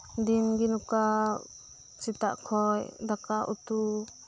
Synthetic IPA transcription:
d̪inɡinuka | t͡ʃit̪aʔkʰɔjd̪akaʔut̪u

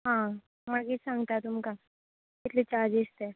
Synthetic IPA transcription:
ɦã | maɡisãŋɡt̪at̪umka | ɪt̪lit͡ɕad͡ʒest̪e

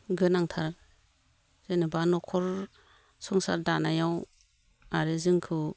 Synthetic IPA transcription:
ɡɯnaŋtʰaɾ | z̥enibanɔkʰɔɾ | sɔŋsa̰ɾdanajaw | aɾɯzɯŋkʰɯ

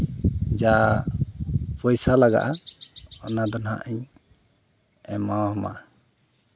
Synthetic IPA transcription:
d͡ʒa | pɔjsalaɡa̰ʔaɔnad̪ɔnɦa̰ʔɛɲ | ɛmawhɔma̰

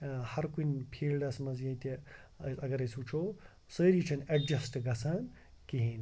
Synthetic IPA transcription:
hɐɾkunʲpʰiːlɖɐsmɐzjɐjt̪ḭ | sɐɡɐɾɐsut͡ʃʰoː | səːɾiːt͡ʃʰɐnɐɖd͡ʒɐsʈɡɐsʰaːn | kiɦin

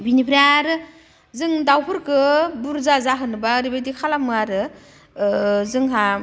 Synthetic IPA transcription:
binipʰɾiaɾɯ | zɯŋdawpʰɯɾkɯbuɾzazaɦɯnɯbaɾibadikʰalamɯaɾɯ | zɯŋɦa

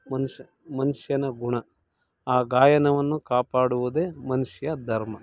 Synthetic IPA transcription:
mɐnu | mɐnuʂjɐnɐɡuɳɐ | aːɡaːjɐnɐʋɐnːukaːpaːɽuʋud̪eːmɐnuʂjɐd̪ʱɐɾmɐ

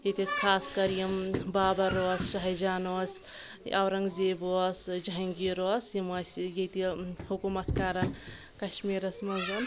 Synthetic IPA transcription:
jet̪iskʰaːskɐɾijimbaːbɐɾosʃɐɦɐjd͡ʒaːnos | ɐ̰wɾɐŋɡzebosd͡ʒɐɦiŋɡiɾosimɐsjet̪ihukumɐt̪ʰkaːɾɐ | kɐʃmiɾɐsmɐzɐn

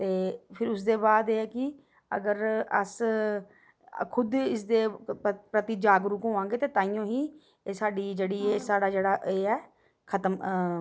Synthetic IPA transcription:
t̪eːpʰɪɾʊsd̪eːbaːd̪eːɛːkɪ | ə̰ɡəɾə̰s | kʰʊd̪ɪsd̪eːpɾət̪id͡ʒaːɡɾʊkɦõːãːŋɡeːt̪eːt̪ãːijõːɦiː | saːɖiːd͡ʒeːɽiːeːsaːɽaːd͡ʒeːɽaːʔeːɛː | kʰət̪əm

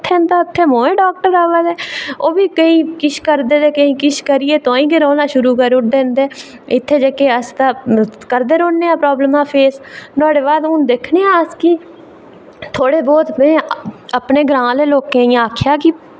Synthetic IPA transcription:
t̪ʰːẽnd̪aːʊt̪ʰːeːmõːẽːɖɔːk̚ʈəɾaːʋəd̪ɛːoːbiːkəiːkɪʃkəɾd̪eːd̪eːkəĩːkɪʃkəɾieːt̪õːĩːɡeɾõːlãːʃʊɾuːkəɾʊʈ̚d̪ẽːnd̪eː | ɪt̪ʰːeːd͡ʒəkeːəst̪aːkəɾd̪eːɾõːnːeːãːpɾɔːbləmãːpʰeːsnɔːɽeːbaːd̪ʊnd̪eːkʰneːãəskɪ | t̪ʰoːɽeːbɔːt̪mɛ̃ːəpneːɡɾãːleːloːkẽːɪjãaːkʰjaːkɪ

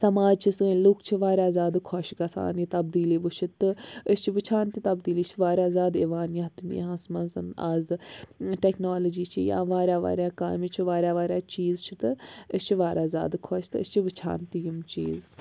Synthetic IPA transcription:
sɐmaːd͡ʒt͡ʃʰisɨlukt͡ʃʰiʋaːɾjaːzaːd̪kʰɔʃɡɐsa̰ːniːt̪ɐbd̪iːliːʋut͡ʃʰit̪ɨəst͡ʃʰiʋɨt͡ʃʰaːnt̪it̪ɐbd̪iːliːt͡ʃʰiʋaːɾʲjaːzaːd̪eʋaːnjaɐt̪unḭɦãːsmɐnsɐ̰na̰ːzɨʈeknaːlɐd͡ʒiːt͡ʃʰijã̰ːʋaːɾʲjaːʋa̰ːɾʲjaːkaːmit͡ʃʰiʋaːɾʲjaːʋaːɾjaːt͡ʃiːzt͡ʃʰit̪ɨəst͡ʃʰiʋaːɾʲaːzʲa̰ːd̪kʰɔʃt̪ɨə̰st͡ʃʰiʋit͡ʃʰa̰ːnt̪ijumt͡ʃḭːz

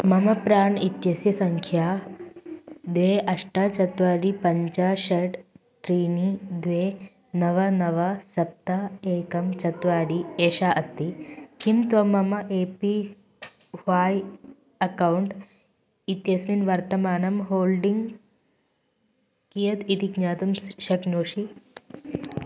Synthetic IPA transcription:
mɐmɐpɾaːɳit̪jɐsjɐsɐŋkʰjaː | d̪ʋeːʔɐʂʈat͡ʃɐt̪ʋaːd̪ipɐɲt͡ʃaːʃɐʈ | t̪ɾiːnid̪ʋeː | nɐʋɐnɐʋɐsɐp̚t̪aeːkɐmt͡ʃɐt̪ʋaːd̪ieːʃaːʔɐst̪ikimt̪ʋɐmɐmɐʔeːpi | ʋaːj | ɐkɐwuɳʈ | it̪jɐsminʋɐɾt̪ɐmaːnɐmɦoːlɖiŋɡ | kijɐt̪it̪iɡɲaːt̪ɐmʃɐknoːʂi

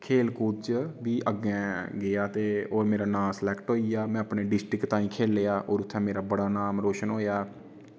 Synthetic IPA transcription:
kʰeːlkuːt͡ʃʋiːʔəɡɛ̃ːɡɪaːt̪eːoːɾmeːɾaːnaːmsəlɛːkʈɦoːiːaːmɛ̃ːəpɳeːɖɪsʈɾɪkt̪ãːĩːkʰeːleːaːʔoːɾʊt̪ʰːɛ̃ːmeːɾaːbəɽaːnaːmɾoːʃənɦoːjaː

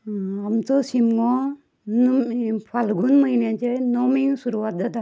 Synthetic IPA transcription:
amt͡sɔsimŋɔ | npʰalɡunməɦinet͡ɕenomiŋsuɾuʋat̪̚d̪at̪a

